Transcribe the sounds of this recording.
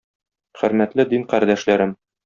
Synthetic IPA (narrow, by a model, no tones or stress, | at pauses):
χɘ̆ɾmæt̪lɘd̪inqæɾd̪æʃlæɾɘm